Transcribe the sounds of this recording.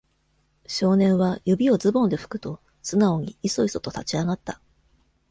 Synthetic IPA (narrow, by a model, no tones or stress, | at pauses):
ɕo̞ːnẽ̞ɰ̃βajɯ̟bʲio̞zɨbõ̞nd̪e̞ɸɯ̟̥kɯ̟̥t̪o̞ | sɨnao̞ɲ̟iiso̞iso̞̥t̪ot̪at͡ɕiaɡat̪ːa